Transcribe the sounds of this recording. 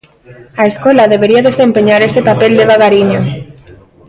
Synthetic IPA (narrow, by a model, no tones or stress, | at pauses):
aeskolaðeβeɾiaðesempeɲaɾesepapeld̪eβ̞aɣaɾiɲo